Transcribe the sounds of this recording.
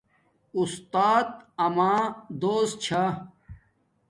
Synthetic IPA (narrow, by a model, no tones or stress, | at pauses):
ust̪aːt̪̚ɐmaːd̪oːs̚t͡ɕʰa